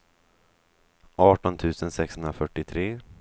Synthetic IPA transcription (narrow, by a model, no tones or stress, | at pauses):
ʔɑːʈɔnt̪ʰʉ̟ːsənsɛkshɵnd̪ɾafœʈːɪt̪ʰɾeː